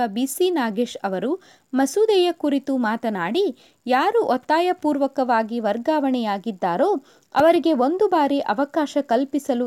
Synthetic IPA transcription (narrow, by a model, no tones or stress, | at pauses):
ɐbiːsinaːɡeːʃɐʋɐɾu | mɐsuːd̪ɛjɐkuɾit̪umaːt̪ɐnaːɽi | jaːɾuʔɔt̪ːaːjɐpuːɾʋɐkɐʋaːɡiʋɐɾɡaːʋɐɳɛjaːɡid̪ːaːɾoː | ɐ̰ʋɐɾiɡe̞ond̪ubaːɾiʔɐʋɐkaːʃɐkɐlpisɐlu